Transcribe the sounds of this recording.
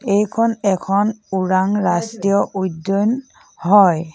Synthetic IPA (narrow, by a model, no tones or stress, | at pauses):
ejkʰɔnɛkʰɔnuɹaŋɹastiɔʔudon | hɔj